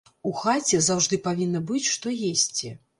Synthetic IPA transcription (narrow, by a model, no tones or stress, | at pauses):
uxat͡sʲɛzawʐd̪ɨpavʲinːɐbɨt͡sʲʂt̪ɔjesʲt͡sʲi